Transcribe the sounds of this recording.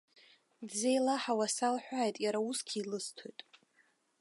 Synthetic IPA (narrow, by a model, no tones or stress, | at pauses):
dzejlaħawasalħʷᶣaːjtʼjaɾauskʲʰiːlɨstʰojtʼ